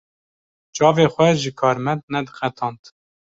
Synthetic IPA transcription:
t͡ʃɑːveːxʷɛʒɨkʰɑːɾmɛnd̪nɛd̪ɨxɛt̪ʰɑːnt̪

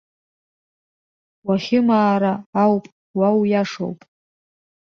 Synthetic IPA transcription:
waχʲɪmaːɾaːwpʼ | wawjaʂo̰wpʼ

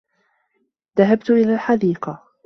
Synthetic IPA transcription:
ðaɦabt̪ʊʔɪlaːlħad̪iːqɑ

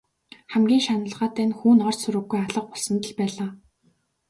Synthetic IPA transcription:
χæmɡʲiːŋʃanə̆ɮʁaːt̪æːnxuːnɔrsuɾɘ̆ɡːujaɮə̆q̚pɔɮsə̆nt̪ə̆ɮpæːɮaː

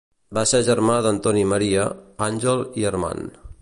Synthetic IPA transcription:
baseʒəɾmaðənt̪ɔniməɾiəanʲʒəlˠiərma̰n

